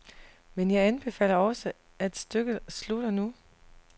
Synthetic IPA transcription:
menjɑ̈ɪænb̥e̝fɛ̰ːlɐɒ̽sə | ʔæd̥sd̥øɡ̥əslud̥ɐnu

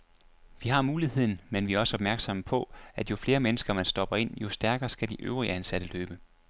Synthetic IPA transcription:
ʋiɦɑ̈muːliɦe̝ð̞̰ˠn̩menʋiæɐɒ̽səɒ̽b̥mæɐɡ̥sɒ̽məpʰɒ̽æd̥jo̝fle̝ːɐmenəsɡ̥ɐmænsd̥ɒ̽b̥ɐe̝n̰jo̝sd̥æɐɡ̥ɐːsɡ̥æd̥iʔø̰ʊʁiəænsæd̥əløːb̥ə

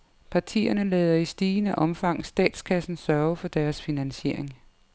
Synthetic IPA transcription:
pʰɑ̈t͡sʰḭːɐnəlɛːðˠɐisd̥iːnæʔɒ̽mfɑ̈ŋ̰̩sd̥ɛ̰ːd̥skʰæsn̩sɶɐʊəfɒ̽d̥æɐsfinænɕe̝ɐ̰eŋ

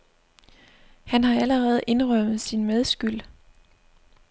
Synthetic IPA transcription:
hænɦɑ̈æləʁɛːð̞̩ˠʔe̝nʁœm̰ð̩ˠsinmeð̞ˠsɡ̥yl̰

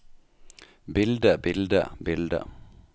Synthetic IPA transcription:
bɪld̪əbɪld̪ə̰bɪld̪ə̰

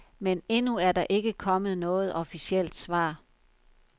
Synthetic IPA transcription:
mene̝nuæɐd̥ɑ̈ʔe̝ɡ̥əkʰɒ̽məð̞̩ˠnɔ̽ːð̞̩ˠɒ̽fisiel̰d̥sʋɑ̰̈ː

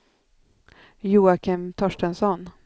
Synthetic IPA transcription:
juːakʰɪmt̪ʰɔʂʈənsɔn

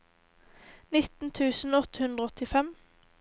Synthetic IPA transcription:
nɪt̪n̩t̪ʰʉːsn̩ɔt̪əhʉnd̪ʁəɔt̪ɪfɛm

